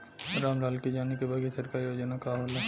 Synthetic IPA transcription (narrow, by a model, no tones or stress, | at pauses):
ɾamɾalkid͡ʒanikebʱaɡisəɾkaɾijod͡ʒonakaɦolo